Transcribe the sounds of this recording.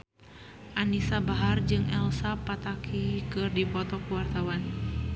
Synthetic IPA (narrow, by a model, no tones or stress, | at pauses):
ʔanisabaɦard͡ʒɨŋɛlsapat̪akʰikɨrdipɔt̪ɔkuwart̪awan